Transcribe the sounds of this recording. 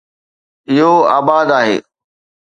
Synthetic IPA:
ɪɦoa̰ːbaːd̪aːɦḛː

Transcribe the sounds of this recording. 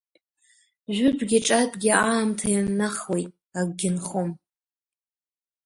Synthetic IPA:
ʒʷᶣʊbɡʲiʈ͡ʂʼadʼɡʲiaːmtʰajanːaχwejtʼ | aɡʷɡʲɪnχom

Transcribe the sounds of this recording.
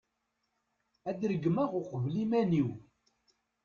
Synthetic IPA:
æd̪ɾəɡmæʁʊqəvlimæniw

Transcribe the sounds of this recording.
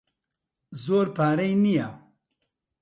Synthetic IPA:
zoːɾpaːɾɐjnija

